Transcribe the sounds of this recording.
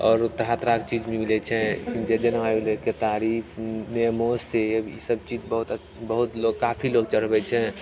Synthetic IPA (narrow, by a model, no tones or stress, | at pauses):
ɔːɾʊt̪ːəɾɦaːt̪ɾakt͡ʃiːd͡ʒmẽmilɛt͡ʃʰɛ̰̃kind͡ʒed͡ʒənʋajleket̪aːɾiːpʰnemoːsseəbisəb̚t͡ʃiːd͡ʒbəɦʊt̪ | bəɦʊt̪loɡkaːpʰiloːɡ̚t͡ʃəɽ̤bɛt͡ʃʰɛ̃